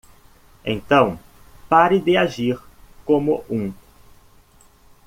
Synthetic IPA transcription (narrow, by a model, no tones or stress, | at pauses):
ḛ̃nt̪ɐ̃w̃ | paɾɪd̪ɪaʒiɾ | kõmʊʔũ